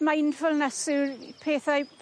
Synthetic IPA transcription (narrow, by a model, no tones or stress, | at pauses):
majnfəlˠnɛsɨrpʰeːθajpʰ